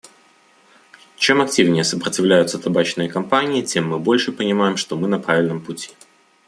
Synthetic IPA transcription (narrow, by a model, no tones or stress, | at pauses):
t͡ɕe̞mɐk̚tʲivnʲɪjəsəpɾətʲɪvlʲæjʊt̪sət̪ɐbat͡ɕnɨjəkɐmpanʲɪːtʲe̞mːɨbo̞lʲʂɨpənʲɪmajɪmʂt̪o̞mɨnɐpɾavʲɪlʲnəmpʊtʲi̥